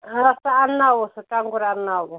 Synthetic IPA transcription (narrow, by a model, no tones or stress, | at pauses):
ɦasaːnawusakaŋɡuɾanaw